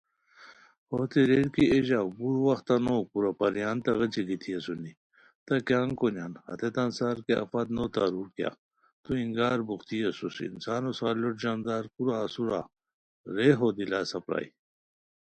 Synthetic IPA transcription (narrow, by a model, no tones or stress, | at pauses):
hoːt̪eɾeɾkiʔeʑabuɾwɐxt̪ɐnoːkuɾapɐɾjaːnt̪ɐɣɐt͡ɕiɡit̪ʰijɐsuni | t̪ɐkjaːŋkonaːnhɐ̰t̪et̪ansaːɾkeɐ̰fɐt̪noːt̪aɾuːɾkja̰ | t̪uiŋɡaːɾbuxt̪ijɐsusḭḭnsaːnosaːloʈd͡ʑaːnd̪aːɾkuɾaːsuɾa̰ | ɾeɦoːd̪ilaːsɐpɾa̰i